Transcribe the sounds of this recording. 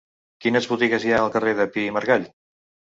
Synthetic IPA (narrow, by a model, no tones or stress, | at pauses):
kinəzβut̪iɣəzjaəlˠkəreðəpiməɾɣaʎ